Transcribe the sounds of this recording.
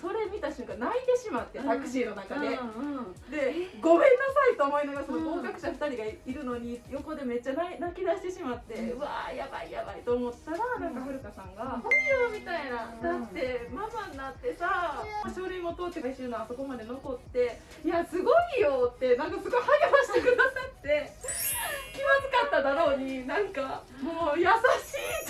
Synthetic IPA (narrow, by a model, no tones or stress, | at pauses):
so̞ɾe̞mʲit̪aɕɨ̃ŋkanait̪e̞ɕimat̪ːe̞t̪akɯ̟̥ɕiːno̞nakad̪e̞ | d̪e̞ɡo̞mẽ̞nːasait̪o̞ːmo̞inaɡaɾasonoɡo̞ːkakɯ̟̥ɕaɸɯ̥t̪aɾʲiɡaiɾɯ̟no̞ɲ̟ijo̞ko̞d̪e̞me̞t͡ɕːananakʲid̪aɕi̥t̪e̞ɕimat̪ːe̞ɯ̟βa̰jaba̰ija̰ba̰it̪oːmo̞t̪ːaɾanãŋkaɸɯ̟ɾɯ̟kasãŋɡaɯmʲit̪ainad̪at̪ːe̞mamannat̪ːe̞samaɕoɾɯimo̞t̪oːt̪ːekaiɕɯːnoaso̞ko̞mad̪e̞no̞ko̞t̪ːe̞ | jasɨɡo̞ijo̞t̪ːe̞nãŋkasɨɡo̞ihajaβaɕi̥t̪e̞kɯ̟d̪asat̪ːe̞ | kʲimasɨkat̪ːad̪aɾo̞ːɲ̟inãŋka | mojasaɕiː